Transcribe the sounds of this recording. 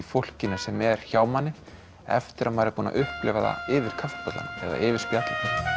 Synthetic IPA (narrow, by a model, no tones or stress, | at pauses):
fowl̥cɪnḁsɛmɛɾ̥çaːwmanːɪ | ɛ̰ft̪ɪɾʔamaːjɾɪpuːna̰ʔʏhplɛvaða̰ɪːvɪɾ̥kʰafpɔt̪la̰nɪɛ̰ða̰ʔɪːvɪɾ̥spjat̪lanɪ